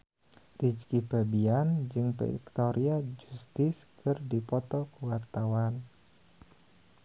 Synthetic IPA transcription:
rid͡ʒkipabiand͡ʒɨŋpɛ̰ḭkt̪ɔɾʔiad͡ʒust̪ɪskɨrdipɔt̪ɔkəwart̪awan

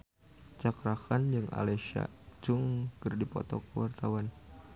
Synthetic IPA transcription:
t͡ʃakɾakand͡ʒɨŋa̰leʃa̰d͡ʒʊŋkɨrdipɔ̰t̪ɔkəwart̪awan

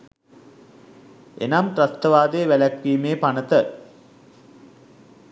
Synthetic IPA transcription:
ḛnamʈrɐst̪əʋaːd̪eːʋælækʋiːmeːpanət̪ə

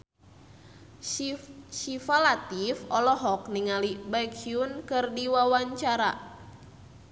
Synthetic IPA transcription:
sifalat̪ifɔlɔɦɔk̚niŋalibaik̚t͡ʃiunkɨrdiwawaɲt͡ʃaɾa̰

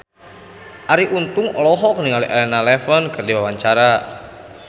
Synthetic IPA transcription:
ʔaɾiʔunt̪ʊŋɔlɔɦɔkniŋaliʔɛlɛnalɛfɔnkərdiwawaɲt͡ʃaɾa

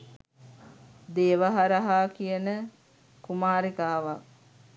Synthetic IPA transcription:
d̪eːʋaɦaɾaɦaːkijənə | kumaːɾikaːʋak̚

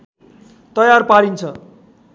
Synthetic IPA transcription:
t̪ʌjarpaɾint͡sʰʌ

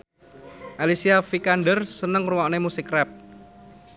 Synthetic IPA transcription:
ʔalisiafikanɖərsənəŋruwɔʔnemusɪkrɛp̚

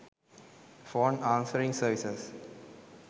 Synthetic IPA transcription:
fɔːnãːnsəɾĩŋsəːʋisəs

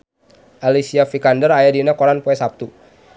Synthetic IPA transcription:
ʔalisiafikandərajadinakɔɾanpoɛsap̚t̪u

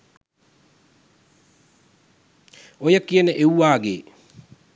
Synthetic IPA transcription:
ojəkiənəʔewʋaːɡḛː

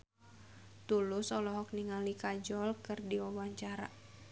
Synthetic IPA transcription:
t̪ulʊsɔlɔɦɔk̚niŋalikad͡ʒɔlkɨrdiɔwaɲt͡ʃaɾa

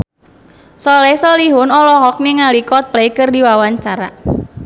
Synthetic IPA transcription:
sɔlɛsɔliɦʊnɔlɔɦɔk̚neŋalikɔt̪̚plaikərdiwawaɲt͡ʃaɾa̰

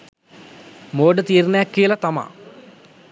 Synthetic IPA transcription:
moːɖət̪iːɾnəjakːiəlat̪ama̰ː

